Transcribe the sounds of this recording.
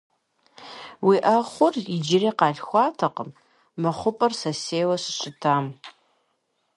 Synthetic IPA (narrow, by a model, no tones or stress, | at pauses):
wiʔɐχʷʊrid͡ʒɪreːqɑːɮxʷɑːtʰɐqəmː | ɐχʷʊpʼɐrsɐseːwɐɕɨ̥ɕʼɪtʰaːm